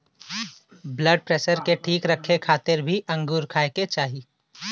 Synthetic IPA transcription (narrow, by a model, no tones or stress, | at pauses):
bləɖ̚pɾeːsəɾkeʈʰiːkɾəkʰːekʰaːt̪ɪɾbʱiʔɐ̃ŋɡuːɾkʰaːeket͡ʃaːɦiː